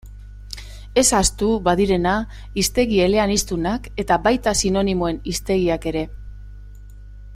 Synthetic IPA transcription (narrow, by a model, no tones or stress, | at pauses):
e̞sast̪uβaðiɾe̞na | ist̪e̞ɣie̞le̞anist̪unake̞t̪aβajt̪asino̞nimo̞e̞nist̪e̞ɣ̞iake̞ɾe̞